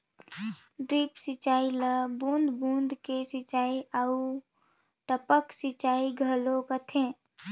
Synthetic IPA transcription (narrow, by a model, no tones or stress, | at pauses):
ɖɾiːpsɪt͡ʃaːiləbũːnd̪bũːnd̪ʱkesɪt͡ʃaːiau | ʈəpəksɪt͡ʃaːiɡʱəlõkət̪ʰẽː